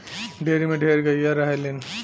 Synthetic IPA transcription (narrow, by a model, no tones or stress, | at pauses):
ɖʱeɾimeɖʱeɾɡəjjaɾəɦelen